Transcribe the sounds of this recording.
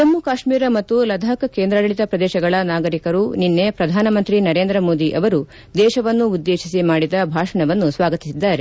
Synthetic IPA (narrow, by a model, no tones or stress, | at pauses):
t̪ɐmːukaːʂmiːɾɐmɐt̪ːulɐd̪ʱɐːkɐkeːnd̪ɾɐɽɐɭit̪ɐpɾɐd̪ɛːʃɐɡɐɭɐnaːɡɐɾikɐɾuninːepɾɐd̪ʱaːnɐmɐnt̪ɾinɐɾe̞ːnd̪ɾɐmo̞ːd̪iʔɐʋɐɾu | d̪ɛːʃɐʋɐnːuːd̪ːeːʃisimaːɽid̪ɐbʱaːʂɐɳɐʋɐnːusʋaːɡɐt̪isid̪ːaːɾe̞